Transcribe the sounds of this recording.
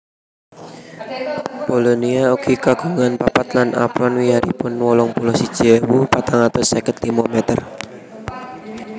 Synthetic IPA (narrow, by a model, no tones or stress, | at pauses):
bolɔniaukʰikaɡuŋanpapat̪lana̰pɾɔnwiaɾḭpʊnwɔlɔŋpulɔsi̥d͡ʒ̥ɛwupat̪aŋat̪ɔsɛkət̪limomɛt̪ər